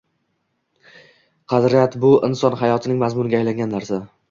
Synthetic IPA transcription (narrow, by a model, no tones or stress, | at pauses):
qʰɑd̪ɾɪjat̪bʊʔɪnsɒnɦajɒt̪ʰɪnɪŋmazmʊnɪɡʲajlaŋɡʲanːaɾsa